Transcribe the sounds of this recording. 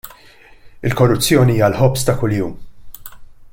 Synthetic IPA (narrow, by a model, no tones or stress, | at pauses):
ɪlkɔrːʊt͡sːjɔːniiːjɐlħɔpst̪ɐkʊljuːm